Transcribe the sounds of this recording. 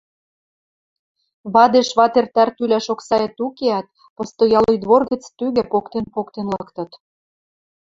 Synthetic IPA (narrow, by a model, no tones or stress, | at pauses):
βɑd̪eʃβɑt̪ert̪ært̪ylʲæʃoksɑet̪ukeɑt̪̚ | pɤ̆st̪ojɑlojd̪βorɣə̆t͡st̪yɣɘ̆pokt̪enpokt̪enlɑkt̪ɤ̆t̪